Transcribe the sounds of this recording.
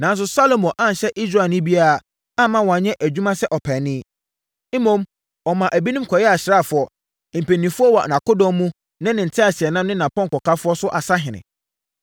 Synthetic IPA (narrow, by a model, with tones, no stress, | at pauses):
nã˨˦n˦s̬ʊ˦sa˦lo˨mɔ̃˨ʔã˦n˨ɕɛ˦ʔi˦s̬ɾa˨nɪ̃˦bi˦a˦a˨ | a˦mã˦wɔ˨a˨ɲɛ̃˦ʔæ˨d͡ʑᶣu˦mã˦sɛ˦ʔɔ˨pʰɛ˨nɪ̃˦ | m̩˦mõ˦m | ɔ˨mã˨ʔæ˨bi˦nĩ˦mkʰɔ˨jɛ˦a˨ɕɪ˨ɾa˦˨fʊ˦ɔ˨ | m̩˨pẽ˨nːĩ˨fʊ˦ɔ˦wɔ˨nã˨ko˦dɔ̃˦mːũ˦ | nã˦nɪ̃˨n̩˨tʰɪ˦a˨sɪ˨ɛ˨nã˦mnɪ̃˦nã˨pʰɔ̃˦ŋkɔ˨kʰa˦fʊ˦ɔ˦sʊ˦ʔa˨sa˦ɦɪ̃˨nɪ̰̃˨